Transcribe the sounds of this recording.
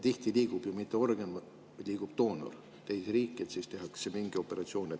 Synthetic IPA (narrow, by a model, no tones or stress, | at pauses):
t̪iht̪iliːɡ̥ub̥jumit̪ːˑeo̞rɡen | liːɡ̥ub̥t̪o̞ːno̰r | t̪ejsɾiːkːˑiet̪siːst̪e̞ɦɑksemiŋɡio̞pːe̞ɾɑt̪sio̞ːne